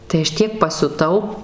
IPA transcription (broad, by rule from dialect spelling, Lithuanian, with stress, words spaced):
tɐɪ ˈɐʃ ˈtʲiɛk pɐsʲʊˈtɐʊ